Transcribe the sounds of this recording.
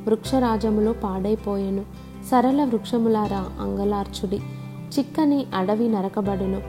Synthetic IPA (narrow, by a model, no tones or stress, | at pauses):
ʋɾukʂɐɾaːd͡ʒɐmloːpaːɽɐjpɔːjɐnu | sɐɾɐlɐʋɾukʂɐmulaːɾaɐ̰ŋɡɐlaːɾt͡ʃuɽi | t͡ʃikːɐniʔɐɽɐʋinɐɾɐkɐbɐɽɐnu